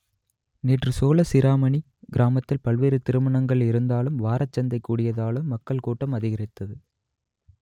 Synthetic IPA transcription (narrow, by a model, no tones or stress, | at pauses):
neːʈrɯsoːlɐsɪɾaːmɐɳi | ɡɪɾʔaːmɐt̪ːɪlpɐɭʋeːɾɯt̪ɪɾɯmɐɳɐŋɡɐɭɪɾɯnd̪aːlɯmʋaːɾɐt͡ʃːɐnd̪ɐɪkːuːɽɪjɐðaːlɯmːɐkːɐɭkuːʈːɐmɐðɪɣɐrɪt̪ːɐðɯ